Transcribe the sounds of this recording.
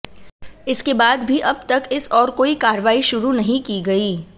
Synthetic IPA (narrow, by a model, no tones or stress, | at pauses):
ɪskebaːd̪bʱiʔɐb̚t̪ɐkɪsɔːɾkoːikaːɾəʋaːiʃʊɾunɐɦĩkiɡɐiː